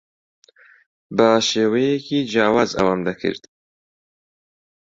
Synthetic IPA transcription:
baʃeːwejekʰiːd͡ʒɑːwaza̰wamd̪akʰɨ̰ɾd̪̥

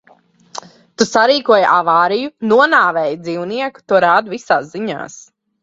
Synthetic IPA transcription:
t̪usaɾiːkuɔja̰ʔavaːɾijunuɔnaːvɛːjd̪ziːwniɛku̥t̪uɔɾaːd̪uvisaːsziɲa̰ːs

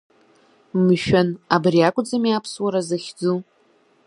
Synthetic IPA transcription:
mʃᶣanabriakʷʼd͡zamiapʰswaɾazaχʲd͡zu

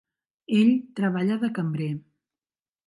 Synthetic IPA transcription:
eʎt̪ɾəβ̞aʎəðəkəmbɾe

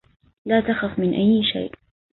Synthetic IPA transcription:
laːt̪axafmɪnʔajːʃa̰jʔ

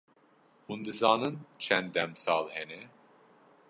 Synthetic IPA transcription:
hund̪ɨzɑːnɨnt͡ʃʰɛnd̪ɛmsɑːlhɛnɛ

